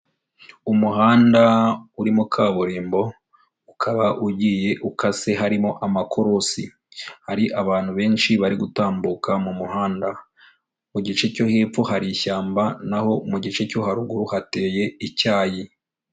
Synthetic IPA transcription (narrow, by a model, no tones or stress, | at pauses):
umuɦaːndauɾimukʰaːβuɾiːmbo̞ | ukʰaβaʔuɟiːje̞ʔukʰase̞ɦaɾimo̞ʔamakʰo̞ɾosi | haɾiʔaβaːn̥huβe̞ːnʃiβaɾiɡutaːmbukʰamumuɦaːnda | muɟit͡ʃe̞co̞heːp͡fohaɾiçaːmbanaho̞muɟit͡ʃe̞co̞ɦaɾuɡuɾuhate̞ːje̞icaːji